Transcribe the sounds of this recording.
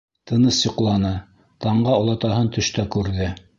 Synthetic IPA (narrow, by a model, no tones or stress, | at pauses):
t̪ʰɤ̆nɤsjŏqlˠɑnɤ | t̪ɑɴɢɑŏlˠɑt̪ɑɦɤnt̪ɵ̆ʃt̪ækʉɾðɘ